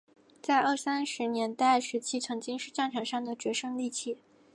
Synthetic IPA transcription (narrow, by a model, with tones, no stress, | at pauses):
t͡sa˥˧ɪʔə˞˥˩sa˥nʂɻ̩˧˥njɛ˧˥nt̪a˥˩ɪʂɻ̩˧˥t͡ɕʰi˥t͡sʰɤ˧˥ŋt͡ɕi˥ŋʂɻ̩˥˧ʈ͡ʂa˥˩nʈ͡ʂʰɑ˨˧˥ŋʂɑ˥˩ŋd̪ə˩t͡ɕɥɛ˧˥ʂɤ˥ŋli˥˧t͡ɕʰi˥˩